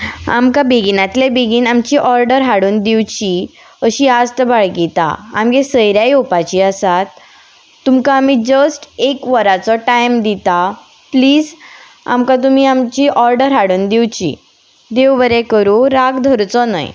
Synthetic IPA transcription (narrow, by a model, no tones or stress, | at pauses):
a̰mkabeɡinat̪lebeɡiːnamt͡ɕiːʔɔɾɖəɾɦaɽuːnd̪iwt͡ɕi | əɕiːast̪əbaɭɡit̪a̰a̰mkesəjɾjajopat͡ɕiəsat̪ː | umkaːmid͡ʑəsʈekʋəɾat͡sɔʈajmd̪it̪a | pliːd͡z | a̰mkãt̪̬um̤iːamt͡ɕiːʔɔɾɖəɾɦaɽuːnd̪iwt͡ɕḭ | d̪ewʋəɾekəɾuɾaɡd̪ʱəɾt͡sɔnə̰j